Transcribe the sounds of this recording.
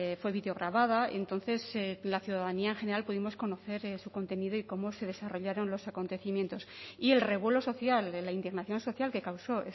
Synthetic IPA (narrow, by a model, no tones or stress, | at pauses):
fwe̞βiðeo̞ɣ̞ɾaβað̞aent̪o̞nθe̞selaθjuðaðaniaeŋxene̞ɾalpuðimo̞sko̞no̞θe̞ɾesuko̞nt̪e̞nið̞o̞iko̞mo̞se̞ð̞e̞saro̞ʎaɾo̞nlo̞sako̞nt̪e̞θimjent̪o̞sie̞lre̞β̞we̞lo̞so̞θjallaind̪iɣnaθjõ̞nso̞θjalke̞kawso̞e